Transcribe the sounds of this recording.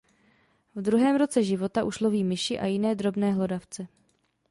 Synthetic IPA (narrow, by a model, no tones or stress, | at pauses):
vd̪ɾuɦɛːmɾo̞t͡sɛʒɪvo̞t̪aʔuʃlo̞viːmɪʃɪʔa̰jɪnɛːd̪ɾobnɛːɦlo̞daft͡sɛ